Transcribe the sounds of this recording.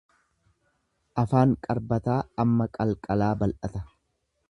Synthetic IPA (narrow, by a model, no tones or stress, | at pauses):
ʔɐfaːŋkʼɐɾbɐt̪aːɐmːɐkʼɐlkʼɐlaːbɐlʔɐt̪ɐ